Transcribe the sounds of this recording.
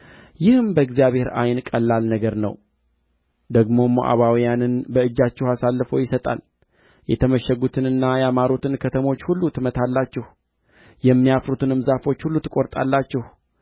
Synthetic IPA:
jɪhɨmbəɨɡzijaβhe̞ɾa̰jnkʼəlːalnəɡəɾnə̰w | d̪əɡmo̞mo̰ʔa̰βawijanɨnbəɨd͡ʒːat͡ʃːɛhasalːɨfo̞jɪsət̪ʼa̰l | jɛt̪ʰəməʃəɡut̪ʰɨnɨnːajɛamaɾot̪ʰɨnkʰət̪ʰəmo̞t͡ʃːhulːut̪ʰɨmət̪ʰalːat͡ʃːɪh | jɛmːijafɾut̪ɨnɨmzafo̞t͡ʃːhulːut̪ʰɨkʼo̞ɾt̪ʼa̰lːat͡ʃːɪh

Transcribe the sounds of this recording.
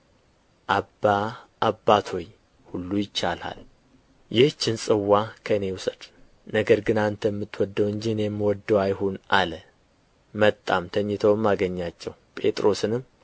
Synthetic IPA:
ʔabaː | bːat̪ʰo̞j | hulːujɪt͡ʃːala̰l | jɛht͡ʃːɪnsʼɨwːakʰəɨne̞wʊsəd̪ | nəɡəɾɡɨnant̪ʰəjɛmːɨt̪ːwɔd̪ːəwɨɲd͡ʒinjɛmːəwɔd̪ːəwajhonʔalə | mət̪ʼːamt̪ʰəɲːɪt̪ʰəwmːaɡəɲːat͡ʃːɛwpʼe̞̰t̪ʼɾo̞sɨnɨm

